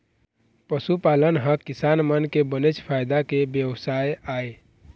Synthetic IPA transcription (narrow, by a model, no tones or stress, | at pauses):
pəsupalənɦəkːisanmənkebənet͡ʃpʰajd̪akebjəwsajae